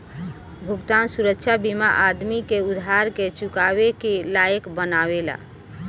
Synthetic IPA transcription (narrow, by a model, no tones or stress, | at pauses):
bʱuɡt̪ansuɾəkt͡ʃʰabima̰ʔad̪mikeud̪ʱaɾket͡ʃukabekelajəkbənawela̰